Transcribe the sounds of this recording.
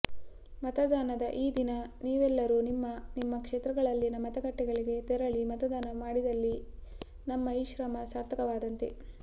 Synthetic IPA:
mɐt̪ɐd̪aːnɐd̪ɐʔiːd̪inɐniːʋɛlːɐɾunimːɐnimːɐkʂeːt̪ɾɐɡɐɭɐlːinɐmɐt̪ɐɡɐʈːɛɡɐɭiɡe̞t̪ɛɾɐɭimɐt̪ɐd̪aːnɐmaːɽid̪ɐlːi | nɐmːɐiʃɾɐmɐsɐːɾt̪ʰɐkɐʋaːd̪ɐnt̪e

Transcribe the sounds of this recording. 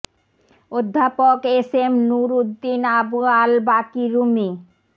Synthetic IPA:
od̪ʱːapokesemnuɾud̪ːinabualbakiɾumi

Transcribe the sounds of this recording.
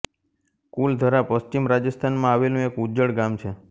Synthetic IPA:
kuld̪ʱəɾapəst͡ʃimɾad͡ʒəst̪ʰanmãaʋelũekud͡ʒəɽɡamt͡ʃʰe

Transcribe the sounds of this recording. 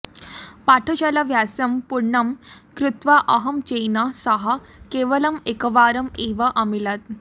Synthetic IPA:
paʈʰot͡ɕalaʋjasɐmpuɾɳɐmkɾut̪ʋaʔɐɦɐmt͡ɕejnasɐɦa | keʋəlɐmekəʋaːɾɐmeʋaʔɐmilat̪̚

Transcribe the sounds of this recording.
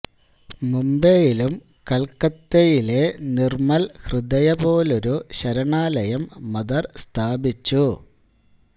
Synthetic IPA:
mumbejilum | kɐlkɐt̪ːejile̞nirmɐlhrɨd̪ɐjɐbo̞ːlo̞ɾuɕɐɾɐɳaːlɐjɐmːɐd̪ɐrst̪ʰaːbit͡ɕːu

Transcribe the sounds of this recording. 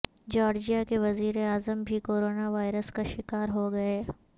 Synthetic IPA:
d͡ʒaːɾd͡ʒijakeʋɐziːɾeaːzəmbʱikoːɾoːnaʋaːɪɾəskaʃɪkaːɾɦoɡɐeː

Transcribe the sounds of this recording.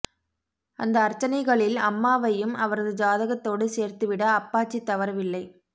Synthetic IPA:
ɐnd̪ɐːɾt͡ʃːɐnɐɪɣɐɭɪlɐmːaːʋɐjɯmɐʋɐɾɐðɯd͡ʒaːðɐɣɐt̪ːoːɽɯseːɾt̪ɯʋɪɽɐːpːaːt͡ʃːit̪ːɐʋɐɾɐʋɪlːɐɪ

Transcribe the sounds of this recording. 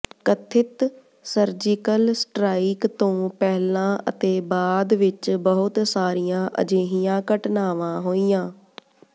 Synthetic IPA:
kət̪ʰɪt̪ | səɾd͡ʒɪkəlsʈɾaːiːkt̪õːpɛɦlãːʔə̰t̪eːbaːd̪ʋɪt͡ʃbəɦʊt̪saːɾijãːʔə̰d͡ʒeːɦijãːkəʈnaːʋãːɦoːijãː

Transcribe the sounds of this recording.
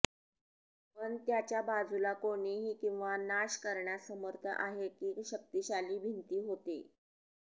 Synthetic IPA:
pəɳt̪jat͡ɕjabad͡zulakoɽ̃iɦiːkĩw̃ʋanaɕkəɾɳjasəməɾt̪ʰə̰ʔaɦekiːɕək̚t̪iɕaliːbʱint̪iːɦot̪ḛ

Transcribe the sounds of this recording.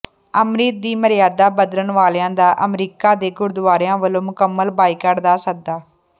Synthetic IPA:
əmɾiːt̪̚d̪iːməɾɪjaːd̪aːbəd̪ələɳʋaːljãːd̪aːʔəmɾiːkaːd̪eːɡʊɾd̪ʊʋaːɾjãːʋəlõːmʊkəmːəlbaːiːkəɽd̪aːsək̚d̪aː

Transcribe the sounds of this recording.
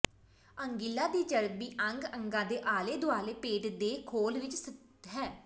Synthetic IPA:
əŋɡɪlːaːd̪iːd͡ʒəɾbiːʔəŋɡəŋɡãːd̪eːʔaːleːd̪ʊaːleːpeːʈd̪eːkʰoːlʋɪt͡ʃsɪt̪ | ɦɛː

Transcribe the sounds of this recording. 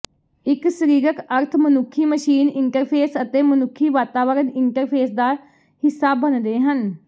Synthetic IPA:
ɪksəɾiːɾəkəɾt̪ʰmənʊkʰːiːməʃiːnɪɳʈəɾpʰeːsət̪eːmənʊkʰːiːʋaːt̪aːʋəɾənɪɳʈəɾpʰeːsd̪aː | hɪsːaːbənd̪eːɦən

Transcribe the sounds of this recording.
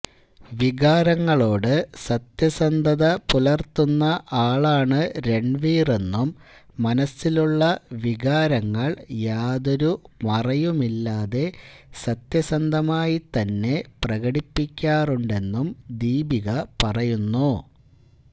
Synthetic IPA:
ʋiɣaːɾɐŋːɐɭo̞ːɽɨsɐt̪jɐsɐnd̪ʱɐðɐpulɐrt̪ːunːɐʔaːɭaːɳɨɾe̞ɳɖʋiːre̞nːumːɐnɐsːiluɭːɐʋiɣaːɾɐŋːɐɭjaːðoɾumɐrɐjumilːaːðe̞sɐt̪jɐsɐnd̪ʱɐmaːjit̪ɐnːe̞prɐɣɐɽipːikʲːaːruɳɖe̞nːumd̪iːbʱiɣɐpɐrɐjunːu

